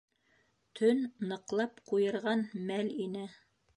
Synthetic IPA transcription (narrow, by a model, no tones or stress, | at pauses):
t̪ʰɵnːɤ̆qlˠɑpqujɤ̆ɾʁɑnmælinɘ